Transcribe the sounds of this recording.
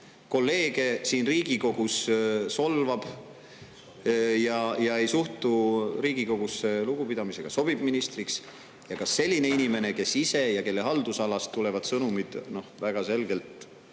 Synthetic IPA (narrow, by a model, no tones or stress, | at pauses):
ko̞lːe̞ːɡ̥e̞siːnriːɡ̥iko̞ɡ̥usso̞lvɑb̥ | jɑjɑe̞jsuht̪uɾiːɡ̥iko̞ɡ̥usːe̞luɡ̥upid̪̥ɑmise̞ɡ̥ɑso̞b̥ib̥minist̪riks | jɑkɑsːe̞lʲːine̞inime̞ne̞ke̞sːise̞jɑke̞lːe̞ɦɑld̪̥usɑlɑst̪ːule̞vɑd̪̥sɤnumid̪̥no̞hvæɡ̥ɑse̞lɡ̥e̞lt̪